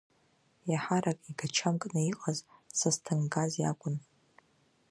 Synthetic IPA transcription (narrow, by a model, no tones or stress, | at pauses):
jaħaɾakʼiɡat͡ʃʰamkʼnɨiqʼazsastʰɨŋɡazja̰kʷʼʊn